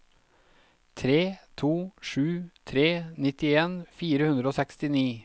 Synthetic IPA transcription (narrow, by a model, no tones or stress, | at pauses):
t̪ʰɾeːt̪ʰuːʂʉːt̪ʰɾeːnɪt̪ɪeːnfiːɾəhʉnd̪ɾəoːsɛkst̪ɪniː